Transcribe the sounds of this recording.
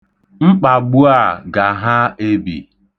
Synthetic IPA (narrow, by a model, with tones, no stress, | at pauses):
ŋ͡m̩˦k͡pa˨ɡ͡bu˦a˦˨ɡa˨ɦa˦e˦bḭ˨